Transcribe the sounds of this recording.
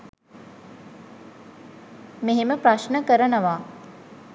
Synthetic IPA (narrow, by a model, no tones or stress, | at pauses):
meɦeməpɾaʃnəkəɾənəʋaː